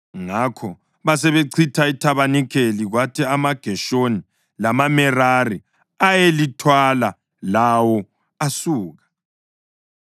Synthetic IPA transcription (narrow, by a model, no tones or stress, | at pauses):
ŋakʰɔ | βasɛβeǀʰitʰaitʰaβanikʰeliɣwatʰiamaɡ̥ʱɛʃoni | lamamɛrari | ajelitʰwala | lawɔ | asuːɣa